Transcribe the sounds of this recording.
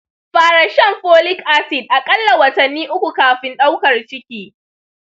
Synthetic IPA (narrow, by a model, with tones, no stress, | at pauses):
ɸaː˨ɽa˨ʃɛ˦˨mɸoː˦lɪ˦kʔa˦sɪ˨d̚ʔa˨kʼɐ˦lːa˨wɐ˨tɐ˨nːiː˦ʔʊ˦kʷu˨kaː˨ɸɪ˦nɗa˦wkɐ˨rt͡ʃɪ˦kʲiː˦